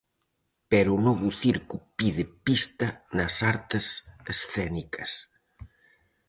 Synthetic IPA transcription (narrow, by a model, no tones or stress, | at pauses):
pɛɾunɔβuθiɾkupiðɪpist̪ɐnɐsaɾt̪ɪsesθɛnikɐs